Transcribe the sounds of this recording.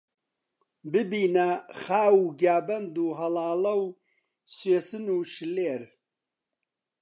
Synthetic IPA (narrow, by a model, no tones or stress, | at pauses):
bɨbiːnɐχaːwuːɡjaːbɐnd̪uːɦɐlɑːlɐw | sweːsɨnuːʃɨleːɾ